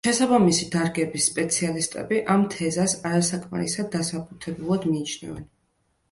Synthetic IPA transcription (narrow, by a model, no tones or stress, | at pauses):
ʃɛsabamisid̪aɾɡɛbisːpʼɛt̪sʰialist̪ʼɛ̰biʔamt̪ʰɛzasaɾasakʼma̰ɾḭsad̪ːasabut̪ʰɛbulˠad̪miːt͡ʃʰnɛ̰vɛ̰n